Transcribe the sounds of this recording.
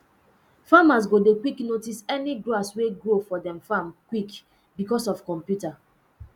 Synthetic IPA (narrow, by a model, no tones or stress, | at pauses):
famas̬ɡodekwiknotisɛniɡɹoasweɡɾofɔdɛ̃mfamkwik | bikɔsɔfkɔ̃mpjuta